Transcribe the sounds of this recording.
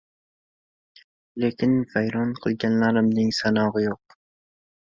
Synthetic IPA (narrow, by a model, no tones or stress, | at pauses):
le̞kʲʰɪnvajɾɒnqʰɨlˠɡʲanlaɾɪmnɪŋsanɒʁɨjoq̚